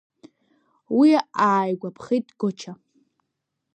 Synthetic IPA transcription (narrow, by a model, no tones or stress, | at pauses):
wiaaːjɡʷapʰχitʼɡot͡ʃʰa